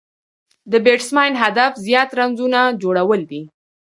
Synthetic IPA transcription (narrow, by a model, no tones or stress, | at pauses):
d̪əbeʈsmɑjnɦad̪afzjɑt̪ɾanzunad͡ʒoɽawəld̪i